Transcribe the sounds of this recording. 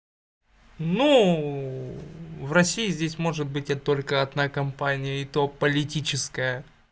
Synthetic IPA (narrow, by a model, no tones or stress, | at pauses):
nu | vrɐsʲijɪzʲdʲesʲmo̞ʐɨt̪̚bɨtʲɛt̪ːo̞lʲkəɐd̪nakɐmpanʲɪjəɪt̪o̞pəlʲɪtʲit͡ɕɪskəjə